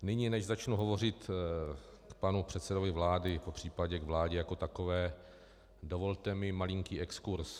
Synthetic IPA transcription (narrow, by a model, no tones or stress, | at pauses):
nɪɲiːnɛʒzat͡ʃnuɦo̞vo̞r̝ɪt̪ | kpanupr̝̥ɛt̪sɛdo̞vɪvlaːdɪpopr̥iːpaɟɛɡvlaːɟɛjako̞t̪akovɛː | dovo̞lt̪ɛmɪmalɪŋkiːʔɛkskuɾs